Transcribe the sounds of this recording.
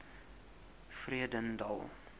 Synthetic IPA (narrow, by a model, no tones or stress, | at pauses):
friədəndɑ̰lˠ